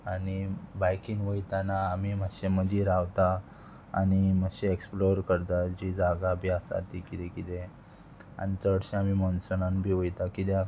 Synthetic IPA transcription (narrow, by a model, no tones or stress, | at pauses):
anibajkiːnʋəjt̪anaːmiməɕeməd̪iɾaʋt̪a̰ː | niməɕeeksploɾkəɾt̪ad͡ʑid͡zaɡabʱiasa̰t̪ikit̪ekit̪ẽ | a̰nit͡səɽɕeamimɔnsənanbʱiːʋəjt̪akit̪ja